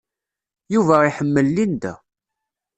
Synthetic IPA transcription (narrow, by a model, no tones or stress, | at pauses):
juvæiħəmːəlːind̪æ̰